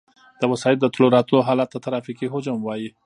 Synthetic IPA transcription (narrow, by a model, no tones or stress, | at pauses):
d̪̥əwasɑɪld̪ət̪loɾɑt̪unoɦɑlat̪̚d̪ət̪aɾɑfikiɦod͡ʒamwɑji